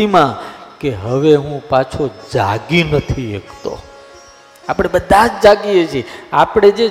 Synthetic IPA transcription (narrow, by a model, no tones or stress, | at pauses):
imãkeɦəʋeɦũpat͡ʃʰod͡ʒaɡinət̪ʰiḛkʰt̪o̰ | apɽ̃ebəd̪ʱad͡ʒd͡ʒaɡiet͡ʃʰieapɽ̃ed͡ʒe